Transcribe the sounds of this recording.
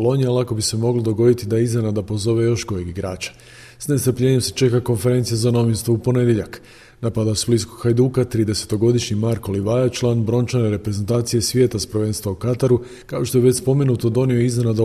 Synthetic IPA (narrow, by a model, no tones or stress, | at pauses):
lo̞ɲialˠako̞bise̞mo̞ɡlod̪o̞ɡo̞d̪it̪id̪aiznenad̪apo̞zo̞ʋe̞jo̞ʃɡo̞jiɡiɡɾaːt͡ʃḁ | sne̞st̪ɾpʎe̞ɲe̞mse̥t͡ʃe̞kako̞nfe̞ɾe̞nt̪sijezano̞ʋinst̪ʋoupo̞ne̞d̪jeʎak | napad̪asbliskokxajd̪uːkat̪ɾiːd̪e̞se̞̥t̪o̞ɡo̞d̪iʃɲimaɾko̞liʋajat͡ʃlˠaːnbɾo̞nt͡ʃane̞ɾe̞pɾeze̞nt̪aːt̪sije̞sʋje̞ːt̪aspɾʋe̞ːnst̪ʋaukat̪aɾu | kao̞ʃt̪o̞jeʋet͡ɕspo̞me̞nut̪od̪o̞nioiznenad̪a